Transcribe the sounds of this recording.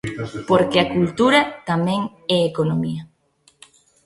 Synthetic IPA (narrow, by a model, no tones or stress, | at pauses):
poɾkeakult̪uɾɐt̪amɛ̃ŋ | ɛekonomiɐ